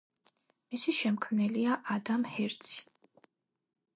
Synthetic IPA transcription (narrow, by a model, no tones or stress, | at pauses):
misiʃɛmkʰmnɛliaʔad̪amhɛɾt̪sʰi̥